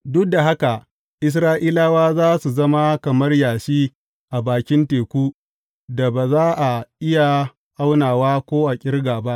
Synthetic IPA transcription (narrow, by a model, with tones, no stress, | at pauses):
dʊ˦k̚da˨ɦa˦ka˨ | ʔɪ˦s̬ɾaː˦ʔiː˦laː˦waː˦zaː˦su˨zɐ˦ma˦kɐ˨mɐ˦rjaː˨ʃiː˦ | ʔa˨baː˨kʲɪ˦nteː˨kʷuː˦ | da˨baː˨zaː˦ʔa˨ʔɪ˦ja˨ | ʔa˦wnaː˨waː˦kʷoː˦ʔa˨kʲʼɪ˦rɡaː˨ba˦ʔ